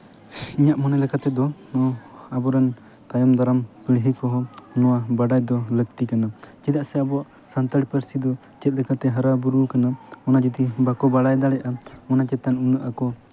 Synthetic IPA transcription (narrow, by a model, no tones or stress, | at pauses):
iɲaʔmɔnɛlɛkat̪ɛd̪ɔnɔabɔɾɛn | t̪ajɔmd̪aɾampiɽɦikɔɦɔnɔwabaɖajd̪ɔlək̚t̪ikanad͡ʒid̪aʔsɛabɔʔ | sant̪əɽpəɾsid̪ɔ | t͡ʃɛt̪̚ˀlɛkʰat̪ɛɦaɾabuɾukanaɔnad͡ʒɔd̪ibakɔbaɽajd̪aɽɛʔaɔnat͡ʃɛt̪anunəʔakɔ